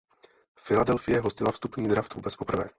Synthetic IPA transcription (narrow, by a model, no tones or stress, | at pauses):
fɪladɛlfɪjɛɦoscɪlafst̪upɲiːd̪ɾaft̪vuːbɛt͡spo̞pr̩vɛ̰ː